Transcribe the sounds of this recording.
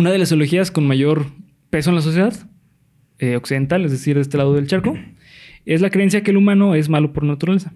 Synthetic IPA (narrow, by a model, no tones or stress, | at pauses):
unaðe̞lasoloxiasko̞nmaʝo̞ɾ | pe̞s̬o̞enlas̬o̞s̬je̞ðað | eoksiðe̞nt̪alezðe̞siɾðest̪e̞lað̞oðe̞lt͡ʃaɾko | e̞zlakɾe̞ens̬jakelumãno̞e̞zmalopo̞ɾnat̪uɾale̞sa